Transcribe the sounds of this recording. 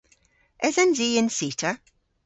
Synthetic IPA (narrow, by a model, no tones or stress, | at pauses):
ɛzənziːɪ̃nsiːˑtʰə